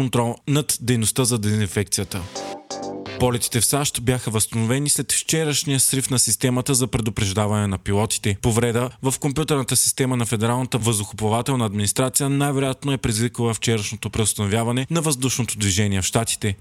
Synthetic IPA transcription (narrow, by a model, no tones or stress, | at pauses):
ont̪ɾɔlˠnɐt̪d̪ɛjnost̪əzɐd̪ɛzinfɛk̚t̪sijət̪ə | pɔlɛt̪i̥t̪ɛfsaʃt̪bjaxəvəst̪ɐnovɛnislɛt̪ft͡ʃɛɾəʃnijəsɾifnɐsist̪ɛmɐt̪əzɐpɾɛd̪opɾɛʒd̪avɐnɛnɐpilˠɔt̪i̥t̪ɛpovɾɛd̪əvɐfkompjut̪ɛɾnət̪əsi̥st̪ɛmənɐfɛd̪ɛɾalˠnət̪əvəzd̪ʊxʊpˠɐvat̪ɛlˠnəɐd̪minist̪ɾat̪sijənajvɛɾojat̪noɛpɾizzvikəlˠəft͡ʃɛɾəʃnot̪opɾɛost̪ɐnovʲjavɐnɛnɐvɐzd̪uʃnot̪od̪viʒɛniɛfʃt̪at̪i̥t̪ɛ